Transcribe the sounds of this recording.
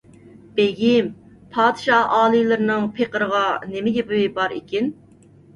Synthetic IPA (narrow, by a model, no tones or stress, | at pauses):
b̥eɡʲim | pʰɑːd̪ɨʃɑɑːlˠɨlˠɨɾɨnɨŋpʰeqəɾəʁɑnemɪɡʲɛbuwɪbɑɾḭkʲin